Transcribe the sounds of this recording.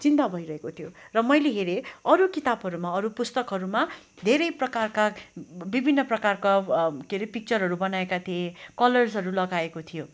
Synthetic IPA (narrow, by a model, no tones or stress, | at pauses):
t͡sint̪abʱʌjɾʌɦekot̪ʰijorʌmʌjleɦeɾeʌɾukit̪abɦʌɾumaʌɾupust̪ʌkɦʌɾuma | d̪ʱeɾʌjprʌkarkabibʱinːʌprʌkarkakeɾepik̚t͡sʌɾɦʌɾubʌnaekat̪ʰiekʌlʌrsʌɾulʌɡaekot̪ʰijo